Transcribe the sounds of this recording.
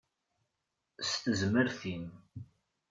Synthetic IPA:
st̪əzməɾθim

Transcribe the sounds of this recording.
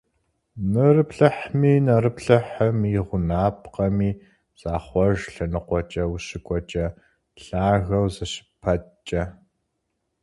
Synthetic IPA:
nɨrɨpɬɐħmiːnɐrɨpɬɐħɐmiʁʷʊnaːp̚ʰqɐmiː | z̥aːχʷɔʒɬɐnɨqʷɔt͡ʃʼɐwʊɕɪkʷʼɔt͡ʃʼɐ | ɬaːɣɐwzɐɕɪ̥pʰɐtt͡ʃʼɐ

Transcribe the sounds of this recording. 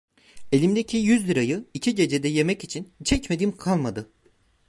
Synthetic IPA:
e̞lʲimd̪ecʰijyzlʲiɾajɯicʰiɟe̞d͡ʒe̞d̪ɛje̞mɛcit͡ʃʰint͡ʃʰɛcmed̪iːmkʰalˠmad̪ɯ

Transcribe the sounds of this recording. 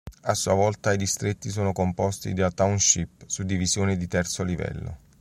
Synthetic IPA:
asːuavɔlt̪aid̪ist̪ɾet̪ːis̬oːnokompɔst̪ḭd̪at̪awnʃipːsud̪ːivizjoːnid̪it̪ɛrt̪solivɛ̰lːo̰

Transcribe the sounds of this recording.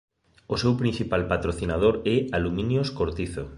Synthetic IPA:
osewpɾĩnθipalpat̪ɾoθinað̞oɾɛalumĩnjoskoɾt̪iθo

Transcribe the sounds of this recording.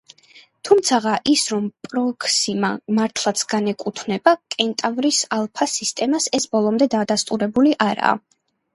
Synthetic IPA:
t̪ʰumt̪sʰaʁaʔisɾɔmpʼɾɔkʰsimamaɾt̪ʰlˠat̪sʰɡ̥anɛkʼut̪ʰnɛbakʼɛnt̪ʼavɾisalˠpʰasist̪ʼɛmasɛsbɔlˠɔmd̪ɛd̪ad̪ast̪ʼuɾɛbuliʔaɾa̰ː

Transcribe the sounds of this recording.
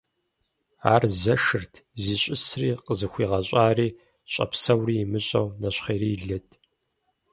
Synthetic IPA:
a̰ːrzɐʂɨrtʰziːɕʼɪsriːqəzɨxʷiːʁɐɕʼaːriː | ɕʼɐ̰psɐwriːmɨɕʼɐwnɐɕχeːɾiːɮɐtʰ

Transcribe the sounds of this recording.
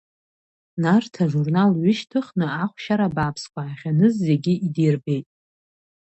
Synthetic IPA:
nartʰaʐurnalɥʏʃtʰɨχnɨaχʷʃaɾabaːpʰskʷʰaːχʲanɨzːe̞ɡʲɪʔidirbe̞jtʼ

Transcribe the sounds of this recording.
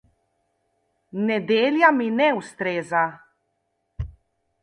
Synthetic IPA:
nɛd̪eːljaminɛust̪ɾeːza

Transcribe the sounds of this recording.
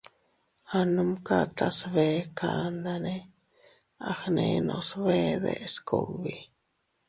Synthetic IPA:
anumkat̪asβekʰand̪ane | aχnenosβed̪eʔskʰowbi

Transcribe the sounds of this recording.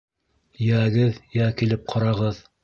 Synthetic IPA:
jæɡɘðjækilɘp̚qʰɑɾɑʁɤð

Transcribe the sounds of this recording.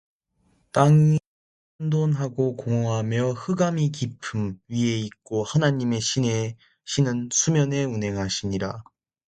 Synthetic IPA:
t͈aŋi | andonɦaɡokoŋʌɦamjʌhɯɡamikipʰɯmɥie̞ik̚k͈ohanaɲime̞ɕʰine | ɕʰinɯnsʰumjʌne̞unɦe̞ŋɦaɕʰiɲiɾa̰

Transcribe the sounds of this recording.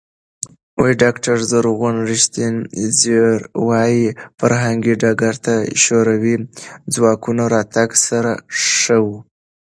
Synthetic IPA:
wojɖɑkʈaɾzaɾɣunɾɪʃt̪inziɾwɑjifaɾɦaŋɡiɖaɡaɾt̪aʃoɾawid͡zwɑkunoɾɑt̪aɡsaɾaʂəwu

